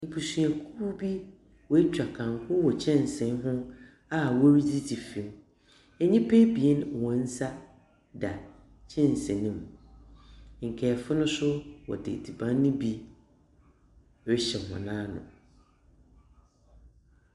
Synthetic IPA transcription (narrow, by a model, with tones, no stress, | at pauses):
ni˨pʰu˨sũ˨æ˨kʰu˦bi˦ | wɔ˨˦e˦t͡ɕᶣa˨kʰã˨ŋ˨kʰʊ˦wɔ˨t͡ɕʰɛ̃˦˨n˨sɛ̃˨n˦ɦʊ̃˦ | a˦wɔ˦ɾi˦di˦di˨fĩ˨m | ɛ˨ɲĩ˦pʰɛ˦bi˨e˦n˨wɔ̃˨n̩˦sa˦ | da˨ | t͡ɕʰɛ̃˦n˨sɛ̃˨nĩ˦˨m˨ | ŋ̩˨kʰɛː˨fʊ˦nʊ̃˦sʊ˦wɔ̰˨dɪ̰˨di˨bã˦nʊ̃˦bi˦ | ɾɪ˦ɕɛ˨hʊ̰̃˨nãː˦nʊ̰̃˨